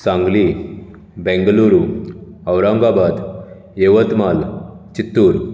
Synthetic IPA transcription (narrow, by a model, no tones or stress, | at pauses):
sãŋɡli | bɛ̃ŋɡluɾu | əwɾãŋɡabad̪ | jeʋət̪malt͡ɕit̪ːuɾ